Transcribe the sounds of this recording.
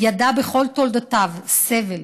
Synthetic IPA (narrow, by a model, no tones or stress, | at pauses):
jad̪abeχo̞lt̪old̪at̪avsevel